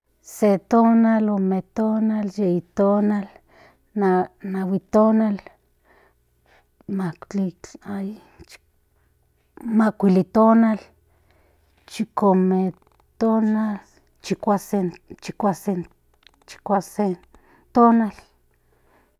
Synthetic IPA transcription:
set̪onalomet̪onaljeit̪onal | nanawit̪onal | mat͡ɬiaj | t͡ʃ | makʷilit̪onal | t͡ʃikome | t̪onal | t͡ʃikʷaset͡ʃikʷasin | t͡ʃi̥kʷase | t̪onal

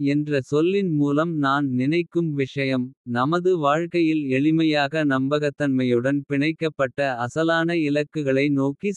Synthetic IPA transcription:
ɛndrɐsɔlːɪnmuːlɐmnaːnnɪnɐɪkːɯmʋɪʂɐjɐmnɐmɐðɯʋaːɻkɐjɪlɛɻɪmɐjaːɣɐnɐmbɐɣɐt̪ːɐnmɐjɯɽɐnpɪɳɐɪkːɐpːɐʈːɐɐsɐlaːnɐɪlɐkːɯɣɐɭɐɪnoːki

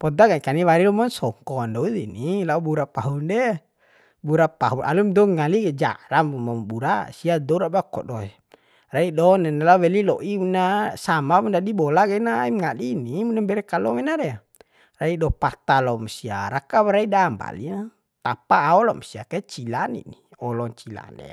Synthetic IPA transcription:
pɔd̪aɡakaniwaɾilɔmɔnsɔŋkɔndɔidḭnilaubuɾapaɦundɛ | buɾapaɦuʔa̰lumdɔŋaliɡɛd͡ʒa̰ɾammɔmbuɾasiadɔɾabakɔ̰dɔ | raidɔnɛnɛlauwɛlilɔ̰ʔiunasamamundadibɔlaɡɛnaimŋadinimunambɛɾɛkalɔmɛnaɾɛa | raidɔpat̪alɔmsia̰ɾakabaɾaidamba̰lia | t̪apaːɔlɔmsiakat͡ʃilanḭni | ɔlɔŋt͡ʃila̰nɛ̰

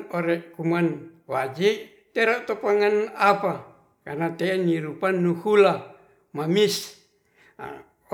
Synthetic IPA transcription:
oɾɛʔkuman | wad͡ʒiʔ | t̪ɛɾaʔt̪ɔpaŋanapa | karnat̪ɛniɾupanːuhula | mamis

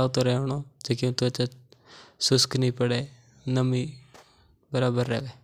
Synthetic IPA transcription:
aːt̪oːɾɛːoɳoːd͡ʒeːkɪõt̪oət͡ʃa | sʊsknĩːpəɽeː | nəmiː | bəɾaːbəɾːɛ̰ːʋeː

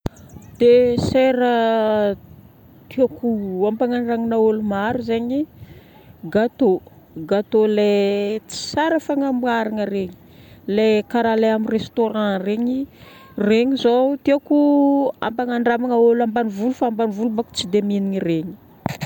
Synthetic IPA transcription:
d̪̥eseɾə | t̪iakuampaŋaɳɖ͡ʐaŋinaolumaɾuzeɲi | ɡat̪o | ɡat̪olet͡si̥saɾəfaŋamwaɾaŋəɾeɲi̥lekaɾaleaminrest̪oɾãreɲi | reɲizot̪iakua̰mpaŋaɳɖ͡ʐamaŋaolambanivulufaambanivulubaku̥t͡sid̪eminiŋireɲi̥

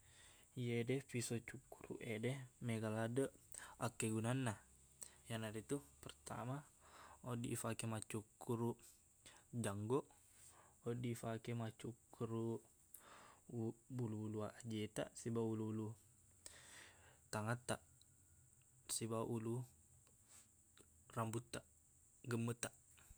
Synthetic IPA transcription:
jedɛpisot͡ʃukuɾṵʔedɛhmeɡaladəʔakːeɡunanːa | janaɾit̪upərt̪a̰maodiʔːfakemat͡ʃukuɾuʔ | d͡ʒaŋɡɔʔ | odifakemat͡ʃukuɾu | buluːluaʔd͡ʒet̪a̰ʔsibaululu | t̪aŋat̪ːaʔ | sibaʔulu | rambut̪ːaʔ | ɡəmːət̪aʔ

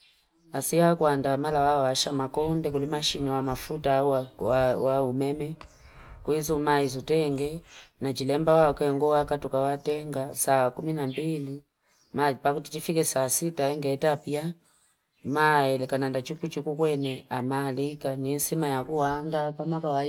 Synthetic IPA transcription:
asiakuandamalawawaʃamakɔndɛkulimaʃiniwamafutaawaumɛmɛ | kwizumaizutɛŋɡɛnat͡ʃilɛmbawakɛŋɡɔwakatukawatɛŋɡasakuminambili | mapakutit͡ʃifikɛsaːsitaɛŋɡɛtapia | maɛlɛkanandat͡ʃuput͡ʃikukwɛnɛamalikaniɛnsimajakuwandapamakawa

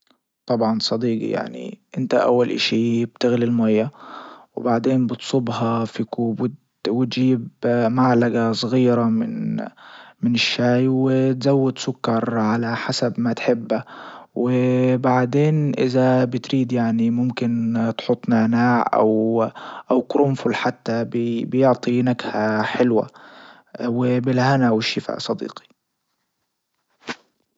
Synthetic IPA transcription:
t̪ˤɑbʕɑnsˤɑd̪iːɡḭja̰ʕnḭʔɪnt̪a̰ʔa̰wːalʔa̰ʃiːbt̪ɪɣlilmajːawbaʕd̪eːnbɨt̪sˤʊbɦɑfikuːbwɪd̪ | wɪt̪ʒiːbmaʕlaɡasˤɣiːɾamɪn | mɪnɪʃːaːjwɪt̪zawːʊd̪sʊkːɑɾˤʕalaħasabmat̪ħɪbːawɪbaʕd̪eːnʔɪzabɪt̪ɾiːd̪jaʕnimʊmkɪnt̪ħʊt̪ˤːnaʕnaːʕʔa̰wʔawkɾʊmfʊlħat̪ːabbɪjʊʕt̪ˤinakhaħɪlwa̰ | wɪbɪlhanawɪʃːɪfa̰ːʔsˤɑd̪ḭːqi̥

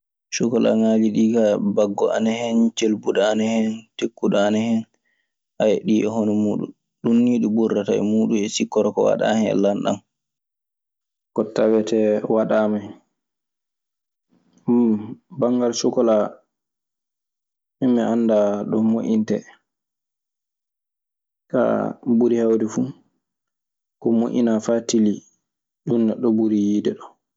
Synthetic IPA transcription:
sukɔla̰ŋaːliɗiːkabaɡːɔa̰nɛhɛnt͡ʃelbuɗaanɛhɛntekːuɗaanɛhɛn | ʔajɛɗiʔɛhɔnɛmuːɗṵn | ɗunːiːɗuburːataɛ̰muːɗumɛsikːɔɾɔkɔwa̰ɗa̰hɛnɛ̰lanɗa̰n | kɔtawɛtɛwaɗama | mbaŋɡalsɔkɔla | mɛmːɛʔanːdaɗɔmoʔintɛ | ka̰buɾihawdɛfu | kɔmoʔḭnafatili | ɗunːɛɗːɔbuɾijidɛɗɔ

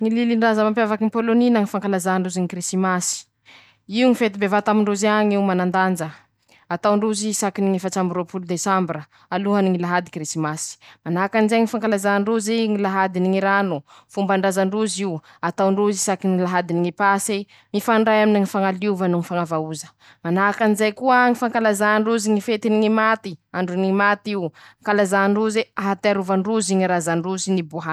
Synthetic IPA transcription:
ŋililiɳɖ͡ʐazəmampjavakinipoloninaŋifaŋkalazaɳɖ͡ʐuziŋikrisimasi̥ | iuŋifet̪ibevat̪amiɳɖ͡ʐuziaŋiwmanand̪and͡ʒə | at̪awɳɖ͡ʐuzisakiniŋifat͡ʃambiɾopulud̪esambɾə | aluɦaniŋilaɦad̪ikrisimasi̥manakanizeŋifaŋkalazaɳɖ͡ʐuziŋilaɦad̪iniŋiɾanu | fumbaɳɖ͡ʐazaɳɖ͡ʐuziw | at̪awɳɖ͡ʐuzisakinilaɦad̪iniŋipasi | mifaɳɖ͡ʐajaminiŋifaŋaluvənuŋifaŋavauzə̥ | manakanizajkuəŋifaŋkalazaɳɖ͡ʐuziŋifet̪iniŋimat̪iaɳɖ͡ʐuniŋimat̪iwaŋkalazaɳɖ͡ʐuzeaɦat̪eaɾuvaɳɖ͡ʐuziŋiɾazaɳɖ͡ʐuzinibuɦa

